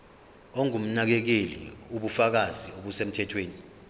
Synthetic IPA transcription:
ɔŋum̩nak̬ɛk̬elḭuɓufak̬azioɓusem̩tʰɛtʰweːni

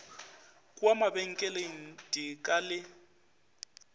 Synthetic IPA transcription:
kʼwamabɛŋ̩kʼɛlen̩tʼikʼalɪ

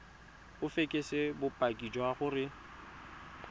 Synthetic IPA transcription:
ʊfekʼesɪbʊpʼakʼid͡ʒɔaχʊrɪ

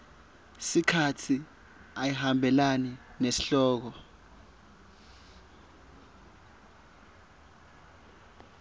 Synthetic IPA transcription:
sikʰatʰi | ajihambʱɛlaninesiɬɔːk̬ɔ

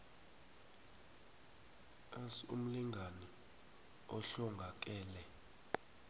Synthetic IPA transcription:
asṵm̩liŋɡʱani | ɔɬɔŋɡʱak̬ʼɛːlɛ

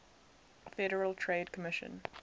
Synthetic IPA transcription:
fɛɾəɹəlˠtʰɹeɪːdkʰəmɪʃə̰̃n

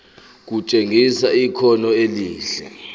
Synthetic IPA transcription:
k̬ut͡ʃʼeŋisaikʰɔnɔeliːɬɛ

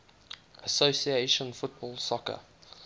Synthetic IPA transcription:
ʔəsoʊsieʃə̃nfʊt̚bɔlˠsɔkə̰

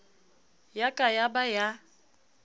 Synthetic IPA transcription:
jakʼajabaja

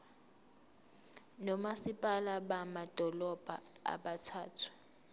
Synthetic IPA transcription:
nɔmasipʼalaɓamad̥ʱɔlɔb̥ʱaa̰ɓatʰa̰ːtʰu̥

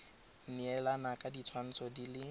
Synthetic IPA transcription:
n̩iɛlanakʼadit͡sʰwan̩t͡sʰɔdilɪ

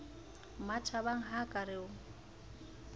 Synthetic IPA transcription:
mat͡ʃʰaβaŋ̩ɦakʼaɾɪʊŋ̩

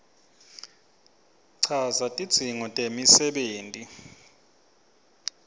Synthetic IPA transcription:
ǀʰazatʼid̥z̥ʱiŋɔtʼemisɛɓeːntʼi

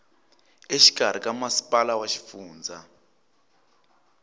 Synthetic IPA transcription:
eʃi̥ɡ̥ʱar̤ik̬ʼamasi̥pʼalawaʃi̥fuːnd͡zʱa

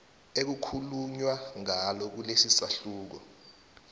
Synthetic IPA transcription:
ek̬ukʰuluɲwaŋalɔk̬ulesisaɬuːk̬ɔ

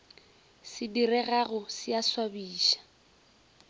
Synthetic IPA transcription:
sɪdirɛɣaɣʊsɪaswabiːʃḁ

